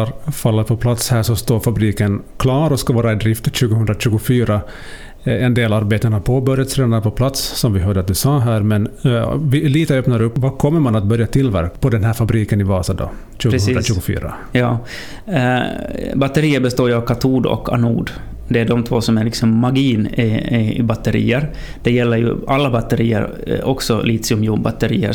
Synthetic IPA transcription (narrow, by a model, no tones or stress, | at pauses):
ɾfalːaɾpʰɔpʰlat̪shæːʂɔst̪oːɾfabɾiːkən | kʰlɑːɾɔskavɑːɾaɛd̪ɾɪft̪ɕʉːɡəhɵnd̪ɾaɕʉ̟ːɡʊfyːɾa | ɛnd̪eːlaɾbeːt̪ənhaɾpʰoːbœɾjat̪sɾeːnaɾpʰɔpʰlat̪ssɔmvɪɦœːɖəat̪̚d̪ʉsɑːɦæːɾmɛnvɪliːt̪əœːpnaɾɵpːvakʰɔmːəɾmanat̪̚bœɾjat̪ʰɪlːvæ̰ɾkpʰɔd̪ɛnɦæːɾfabɾiːkənɪvɑːsad̪ɔ̰ | ɕʉːɡɵːd̪ɾaɕʉ̟ːɡʊfy̰ːɾa̰ | jɑː | bat̪ːəɾiːəɾbɛst̪oːjɵavkʰat̪ʰuːd̪ɔ̰kʰa̰nṵːd̪ | d̪ɛæɖɔmt̪ʰvoːsɔmæɭɪksɔmːaɡiːn | bat̪ːəɾḭːəɾ | d̪̥ɛjɛlːəɾjɵ̰alːabat̪ːəɾiːə̰ɾ | ɔksɔliːt̪sɪʊmjuːnba̰t̪ːəɾḭːə̰